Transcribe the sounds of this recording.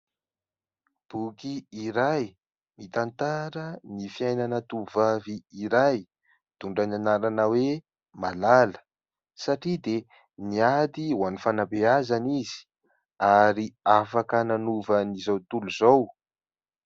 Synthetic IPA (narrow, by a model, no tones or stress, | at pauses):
b̥ukiiɾaj | mit̪ant̪aɾənifiajnanət̪uvaviiɾaj | d̪̥uɳɖ͡ʐananaɾanəwe | malalə̥ | saʈ͡ʂid̪e | niad̪iwanifanabeazanizi̥ | aɾiafakənanuvənizawt̪uluzaw